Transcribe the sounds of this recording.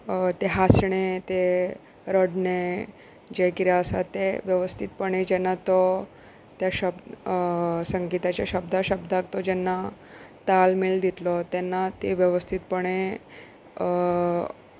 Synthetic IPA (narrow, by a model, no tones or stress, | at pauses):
t̪eɦasɳ̃et̪e | ɾəɖne | d͡ʑekiɾjaəsa̰t̪eʋjəʋəst̪ʰit̪̚pəɳ̃ed͡ʑɛnːat̪ɔ | t̪jaɕəb̪̚ | səŋɡit̪at͡ɕjaɕəbd̪ʱaɕəbd̪ʱaɡt̪ɔd͡ʑɛnːat̪almiɭd̪it̪lɔt̪ɛnːat̪eʋjəʋəst̪ʰit̪̚pəɽ̃e